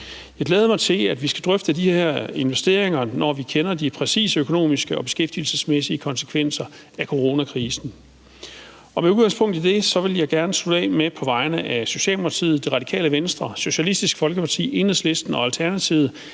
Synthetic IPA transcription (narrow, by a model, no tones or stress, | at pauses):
jjɑ̈ɪɡ̥leːð̞ˠmɑ̈ɪt͡sʰe̝læd̥ʋisɡ̥æd̥ʁœfd̥əd̥iheeɐ̰e̝nʋesd̥e̝ɐ̰e̝ŋɐnɒ̰ʋikʰenɐd̥ipʰʁɛsḭːsəøkʰo̝no̝̰ːmisɡ̥əɒ̽b̥e̝sɡ̥efd̥il̩səsmesiəkʰɒ̽nsə̥kʰʋen̰sɐ | ækʰo̝ʁo̝ːnækʰʁiːsn̩ | ɒ̽meuðɡ̥ɑ̈ŋspʰɔ̽ŋ̰d̥id̥e̝sɒ̽ʋe̝ljɑ̈ɪɡ̥æɐnəsʰud̥ɛ̰ːmepʰɒ̽ʋɑ̈ɪnəʔæso̝ɕɛ̰ːlmpʰɑt͡sʰḭːð̩ˠd̥e̝ʁɑ̈d̥ikʰɛ̰ːləʋensd̥ʁɐso̝ɕælisd̥isɡ̥fɒ̽lɡ̥əpʰɑ̈t͡sʰḭːe̝nh̩eðˠsle̝sd̥n̩ɒ̽ælt͡sʰæɐnæt͡sʰiʊð̩ˠ